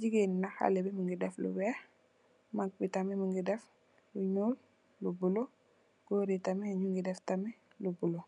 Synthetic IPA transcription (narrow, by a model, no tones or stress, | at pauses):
d͡ʒiɡennaxa̰lebiməŋɡidɛflṵwɛːx | mak̚bitɐmɛməŋɡidɛf | luɲuːl | lubulo | ɡ̥oɾitɐmɛaɲuŋɡidɛftɐmɛ | lubulo